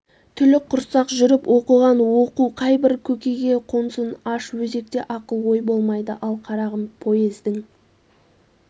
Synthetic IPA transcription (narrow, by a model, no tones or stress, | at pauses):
t̪ʰʏlɪk̚qʰʊɾsɑqʒʏɾɪpwʔo̞qəʁɑnwoquqʰɑjbɪɾkʲʰɵkʲe̞jɡʲe̞qʰonsənɑʃwɵze̞k̚t̪e̞ʔɑqəlˠwo̞jbo̞lˠmɑjd̪əʔɑlˠqʰɑɾɑʁəmpʰo̞jezd̪ɪŋ